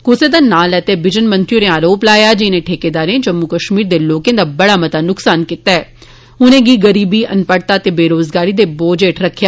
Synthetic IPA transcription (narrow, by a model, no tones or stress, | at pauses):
kʊsed̪aːnaːlɛːt̪eːbɪd͡ʒənmə̃nt̪ɾijõɾẽaːɾoːplaːjaːd͡ʒɪnẽːʈʰeːkeːd̪aːɾẽːd͡ʒəmːukəʃmiːɾd̪eːloːkẽːd̪aːbəɽaːmət̪aːnʊksaːnkit̪aɛː | ʊnẽːɡiːɡəɾiːbiːʔənpəɽt̪aːt̪eːbeːɾoːzɡaːɾiːd̪eːboːd͡ʒeːʈɾəkʰjaː